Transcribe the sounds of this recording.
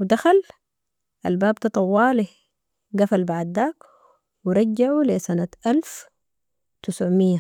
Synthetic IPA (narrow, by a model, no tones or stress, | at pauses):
wɪd̪axal | ʔa̰lbaːbt̪ɑt̪ˤɑwːɑːli | ɡafalbaʕd̪ːaːk | wɪɾˤɑd͡ʒːaʕulisanat̪ʔalf | t̪ɪsʕmɪjːa